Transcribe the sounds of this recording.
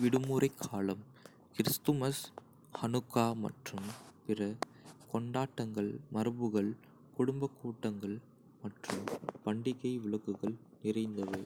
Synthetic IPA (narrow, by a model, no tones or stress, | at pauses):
ʋɪɽɯmuːɾɐɪkʰːaːlɐm | kɪɾɪst̪ɯmɐs | hɐnɯkːaːmɐ̰ʈrɯmpɪrɐ | kɔɳɖaːʈːɐŋɡɐɭmɐɾɯbɯɣɐɭ | kʊɽʊmbɐkːuːʈːɐŋɡɐɭ | mɐʈrɯmpɐɳɖɪɣɐɪʋɪɭɐkːɯɣɐɭ | nɪrɐɪnd̪ɐʋɐɪ